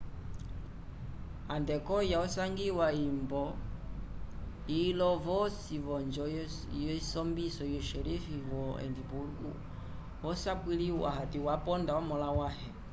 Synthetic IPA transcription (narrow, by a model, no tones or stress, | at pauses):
andɛkɔjaɔsaŋɡiwaimbɔ | ilɔvɔsivɔnd͡ʒɔ | jɔsɔmbisɔjɔʃɛlifivɔɛ̰ndiβuuɡṵ | ɔsakwiliwa̰hatiwapɔndaɔmɔlawahɛ